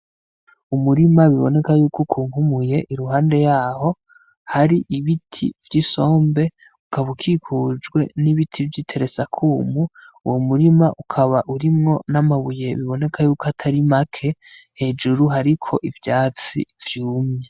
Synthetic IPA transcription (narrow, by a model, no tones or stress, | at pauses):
umuɾimaβiβo̞̰ne̞kajuːkukʰuːŋhumuje̞ʔiɾuɦaːnde̞jaːho̞ | haɾiʔiβitʰḭvjiso̞ːmbe̞ | ukaβukʰiːkʰud͡ʒɡwe̞niβitʰivjitʰe̞ɾe̞sakʰuːmṵːwomuɾimaʔukʰaβaʔuɾimŋo̞namaβuje̞βiβo̞ne̞kʰajuːkoatʰaɾimakʰe̞he̞ːd͡ʒuɾuɦaɾikʰo̞ʔivjaːt͡sḭvjuːmɲe